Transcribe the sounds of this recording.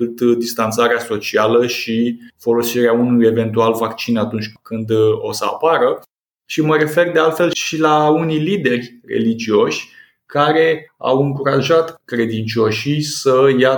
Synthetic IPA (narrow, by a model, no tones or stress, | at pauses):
ut̪d̪ist̪ant̪saɾeaso̞t͡ʃialəʃifo̞lo̞siɾeaunuje̞ve̞nt̪ualvakt͡ʃinat̪unt͡ʃʲkɨnd̪o̞səa̰paɾə | ʃiməɾe̞fe̞rd̪ealt̪fe̞lʃilaunijlid̪e̞rʲre̞̰lid͡ʒio̞ʃʲ | kaɾe̞a̰wɨŋkuɾaʒat̪kɾe̞d̪int͡ʃio̞ʃisəja